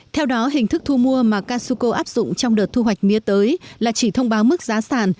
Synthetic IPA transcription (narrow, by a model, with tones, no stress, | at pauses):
t̪ʰɛ˧wɗɔ˨˦ɦï˨˩ŋ̟t̪ɨ˦˥k̚t̪ʰu˧mu˧əmaː˨˩kaː˧su˧ko˧ʔaː˦˥p̚z̥ʊ̰˧˨ŋ͡mt͡ɕɔ˧ŋ͡mɗəː˨˩t̚t̪ʰu˧ɦwa˨˩jk̟̚mi˨˦ət̪əː˨˦jlaː˨˩t͡ɕi˧˩t̪ʰə˧wŋ͡mɓaː˨˦wmɨ˦˥k̚zaː˨˦saː˧˩n